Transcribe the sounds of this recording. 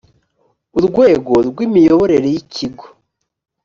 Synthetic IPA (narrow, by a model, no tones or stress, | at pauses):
uɾɡwe̞ːɡo̞ɾɡwiːmijoβo̞ɾe̞ɾe̞jicʰiɡo̥